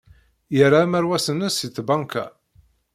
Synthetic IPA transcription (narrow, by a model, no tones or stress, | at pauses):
jəɾamæɾwæsənːəsiθbɑŋka̰